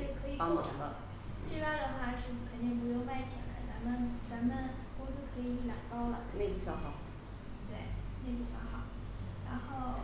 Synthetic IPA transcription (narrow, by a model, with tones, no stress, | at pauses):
e˥˩kʰɤ˧˥i˨˩a˧˥mɑ̰˧˨˧ŋd̪ə˧ | ʈ͡ʂɤ˥˧pa˥˧d̪ə˨xwa˥˧˩ʂɻ̩˥˧˩kʰə˨˩nt̪i˥˩ŋp̬u˧˥jo˥˧ʊma˥˩ɪt͡ɕʰḭ˨˩la̰˧˥ɪt͡sa˧˥mə˧nt͡sa˧˥mə˧n | kʊ˥s̩ʰ˥˩kʰɤ˧˥i˨i˩˧i˥˩ljɑ˨˩ŋpɑ˥ʊlə̰˨ne˥˧pu˥˩ɕjɑ˥˩xɑ˨˩˦ʊ | t̪we˥˩ɪne˥˧ɪpu˥˩ɕjɑ˥˩xɑ˨˩˦ʊ | ɻa˧˥nxo˥˩˧ʊ